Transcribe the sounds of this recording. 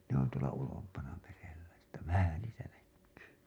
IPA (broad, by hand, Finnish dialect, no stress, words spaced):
ne on tuolɑ ulompɑnɑ merelːæ etːæ ʋæhæ niːtæ nækːyː